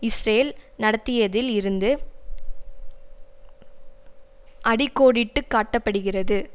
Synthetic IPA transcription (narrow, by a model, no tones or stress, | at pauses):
ɪsɾeːlnɐɽɐt̪ːɪjɐðɪlɪɾɯnd̪ɯ | ʔɐɽɪkːoːɽɪʈːɯkːaːʈːɐpːɐɽɯɣɪrɐðɯ